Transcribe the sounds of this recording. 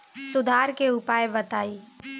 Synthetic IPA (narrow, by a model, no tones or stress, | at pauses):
sʊd̪ʱaːɾkeʊpaːjbɐt̪aːiː